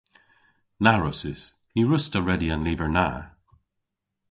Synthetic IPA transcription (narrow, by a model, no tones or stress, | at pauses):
naɹɔsɪs | jiɹʊstəɹɛdiə̃nliːvə˞na̰